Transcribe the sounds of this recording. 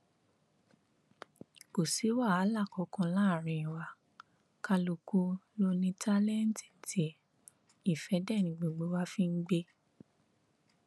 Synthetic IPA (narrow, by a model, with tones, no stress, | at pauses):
ko˨si˨˦wa˦˨a˨˦la˦˨kɔ˨˧˦kɔ̃˧lãː˦˨ɾ̃ĩ˨˧ĩ˨wa˨ | ka˧lo˧˨ku˧lo˦nĩ˦ta˦lɛ˦˨n̩˨˦ti˨n̩˨tʰi˨˦ | i˦˨fɛ˨˦dɛ˦˨nĩ˧˦ɡ͡bo˨˧˨ɡ͡bo˧˦wa˦fĩ˦n̩˦ɡ͡be˦